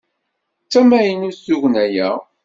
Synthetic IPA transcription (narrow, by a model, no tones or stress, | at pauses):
t͡sːæmæjənusuʝnæjæ̰